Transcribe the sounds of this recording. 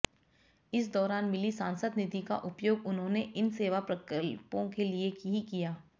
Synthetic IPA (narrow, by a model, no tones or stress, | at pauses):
ɪs̬d̪ɔːɾaːnmɪlisaːnsəd̪nɪt̪ika̰ʔʊpjoːɡʊnɦõneʔɪnseːʋapɾɐkəlpõkeliekiɦikijaː